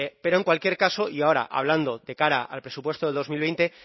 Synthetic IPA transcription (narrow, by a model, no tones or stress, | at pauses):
epe̞ɾoŋkwalkje̞ɾkaso̞iao̞ɾa̰ʔa̰β̞land̪o̞ðe̞kaɾaalpɾe̞supwe̞st̪oðeld̪o̞zmilβejnt̪e̞